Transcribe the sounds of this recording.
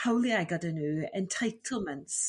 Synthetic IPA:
hawlˠjajɡɔdənuːɛntʰajtʰəl̩ˠmə̃nts

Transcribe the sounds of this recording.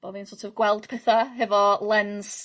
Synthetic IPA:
b̥oðinsotʰɔvɡwɛlˠd̥pʰɛθaɦɛvɔlˠɛns

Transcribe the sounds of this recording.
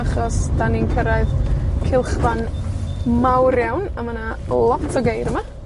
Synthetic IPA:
aχɔsd̥aninkʰəɾaɨðkʰɪlˠχvan | mawɾjawnamana | lˠɔtʰɔɡejɾəma

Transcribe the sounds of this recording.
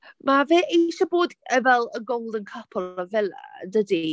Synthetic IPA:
maveːʔeʃɔboːdɛvɛlˠəɡowlˠdənkʰəpʰɔləvɛldədi

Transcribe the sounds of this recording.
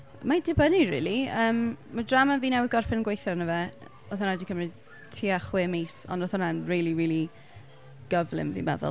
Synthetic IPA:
madɪbənirḭːlˠiəːmmadramanviːnɛwðɡɔrfɛnɡwejθɔrnəvɛ | ɔθɔnadikʰəmrɨ | tʰiːaχwɪːmejsɔ̰ndɔθɔnanriːlˠiɾiːlˠi | ɡ̥əvlˠɪ̰mvḭmɛ̰ðʊ̰lˠ

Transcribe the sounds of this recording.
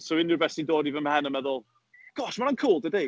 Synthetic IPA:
sɔwɪnɪbɛsidoːdivənmhɛnəmɛðʊlˠ | ɡ̥ɔʃmanankʰuːlˠdɪde

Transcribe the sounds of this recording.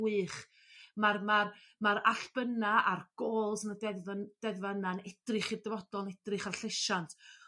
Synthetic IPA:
ɨχ | marmar | maɾaɬb̥ənaarɡ̥oːlˠsənədɛðvənd̥ɛðvananɛd̥rɨχirdəvɔdɔlˠnɛdrɨχarɬɪʃantʰ

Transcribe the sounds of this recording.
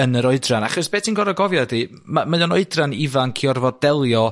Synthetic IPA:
ənəɾɔɨdranaχɔsb̥eːtʰinɡɔɾɔɡɔvjadi | mamajɔnɔɨdranivankʰiɔrvɔdɛlˠjɔ

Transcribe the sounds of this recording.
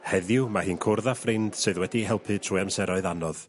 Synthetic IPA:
hɛðjʊmahɨːnkʰʊrðafrɪnd̥sɨðwɛdiɦɛlˠpʰɨtʰruɨamsɛɾɔɨðanɔð̥

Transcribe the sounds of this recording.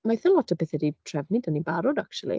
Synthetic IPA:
majθəlˠɔtʰəbɪθɛditʰr̥ɛvnɨdənibaɾɔdakʃulˠḭ

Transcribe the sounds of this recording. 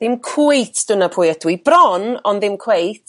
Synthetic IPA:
ðɪmkʰw̥ejtʰd̥ənapʰʊjədwib̥rɔnɔndðɪmkʰwejtʰ

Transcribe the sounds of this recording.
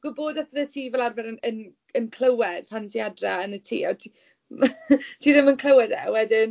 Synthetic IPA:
ɡ̥ʊboːdatəðətʰiːvɛlˠarvɛɾənən | ənkʰl̥ˠəwɛd̥pʰantʰiadraənətʰḭːatʰi | tʰiːðɪmənkʰlˠəwɛdɛ̰wɛdɪn

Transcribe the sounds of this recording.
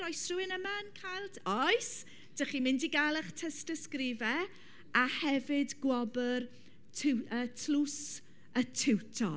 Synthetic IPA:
ɾɔjsruɪnəmankʰajlˠtʰɔjs | d̥əχimɪndiɡalˠɛχtʰɛstəskrɪvɛ | ahɛvɪdɡwɔbər | tʰɪwəːtʰlus | ətʰɪwtʰɔ̰

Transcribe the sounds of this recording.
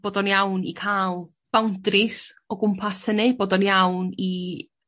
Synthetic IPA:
b̥oːdɔnjawnḭkʰalˠ | b̥awndrɪsɔɡʊmpʰashənɨboːdɔnjawni

